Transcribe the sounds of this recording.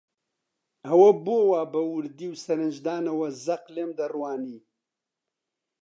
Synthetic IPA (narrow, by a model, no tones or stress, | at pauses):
ɐwɐbowaːbɐwʊɾd̪iːwsɐɾɨnd͡ʒd̪aːnɐwɐzɐqleːmd̪ɐrwaːniː